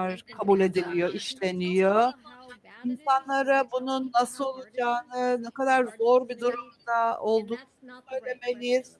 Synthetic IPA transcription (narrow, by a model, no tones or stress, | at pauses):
ɾkʰabulʲe̞d̪ilʲijo̞ʔiʃlʲe̞nijo | insanlˠaɾabununːasɯo̞lˠud͡ʒaːnɯnɛkad̪aɾzo̞ɾbid̪uɾumd̪ao̞lˠd̪uːnsunnølʲe̞melʲijz̥